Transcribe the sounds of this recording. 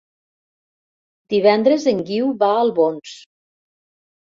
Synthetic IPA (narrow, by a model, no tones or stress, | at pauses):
d̪iβɛnd̪ɾəzəŋɡiwβaəlˠβons